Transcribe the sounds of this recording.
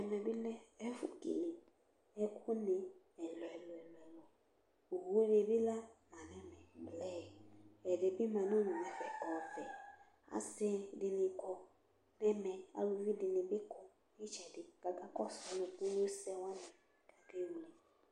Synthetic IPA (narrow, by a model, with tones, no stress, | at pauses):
ɛ˨mɛ̃˨bɪ˦lɛ̃˦ɛ˦fʊ̰˨kḭ˨li˨ | ɛ˦kʰʊ˦nɪ̃˨ | ɛ˨lɔ˨ɛ˨lɔ˨ɛ˨lɔ˨ɛ˨lɔ˨ | u˨hu˦ne˨bɪ˦la˦mã˨nɛ˦mɛ̃˨blɛ˦˨ɛ˨de˨bɪ˦mɛ̃˨nʊ̃˦nũ˨nɛ˨fɛ˨kɔ˨fɛ˨ | a̰˨sɛ˦dɪ˨nɪ̃˨kɔ˨ | nɛ̃˦mɛ̃˨a̰˦lu˨vi˦dɪ˨nɪ̃˨bɪ˦kʊ˦ | nɪ˦t͡ʃɛ˨dɪ˨ɡ̥a˨ɡa˦kɔ˦sɔ˦nʊ̃˨ku˦o˦sɛ˦wã˦nɛ̃˨ | ɡa˨ɡe˦wu˨le˨